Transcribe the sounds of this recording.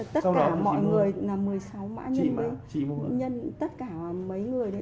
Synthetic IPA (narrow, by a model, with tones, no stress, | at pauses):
t̪ə˦˥˧ka˨˧˩mɔ̰˧˨jŋɨ˨˩əjlaː˨˩mɨ˨˩əjsa˨˦wma̰ː˧˥ɲə˧nmə˨˦i˧˨˧ɲə˧nt̪ə˦˥t̚kaː˧˩˨mə˨˦jŋɨ˨˩əjə˨˦